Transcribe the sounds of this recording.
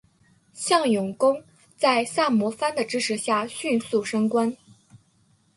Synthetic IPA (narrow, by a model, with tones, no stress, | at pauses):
ɕjɑ˥˩ŋjʊ˨˩ŋkʊ˥ŋ | t͡sa˥˧ɪsa˥˩mwɔ˧˥fa˥nd̪ə˨ʈ͡ʂɻ̩˥ʂɻ̩˧˥ɕja˥˩ɕy˥˧nsu˥˩ʂɤ˥ŋkwa˥n